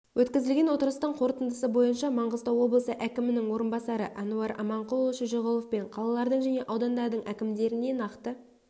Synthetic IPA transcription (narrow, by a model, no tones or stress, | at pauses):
wʔɵt̪kʲɪzɪlɡʲe̞nwo̞t̪əɾəst̪ɑɴqʰo̞ɾt̪ənd̪əsəbo̞jənʃɑmɑɴʁəzd̪ɑwo̞blˠəsəʔækʲɪmɪnɪŋwo̞ɾənbɑsɑɾəʔɑnuɑɾɑ̰mɑɴqulˠoʃəʒoʁolˠofpe̞ɴqʰɑlˠɑlˠɑɾd̪əɴʒæne̞ʔɑwd̪ɑnd̪ɑɾd̪əɴʔækʲɪmd̪e̞ɾɪne̞nɑqt̪ə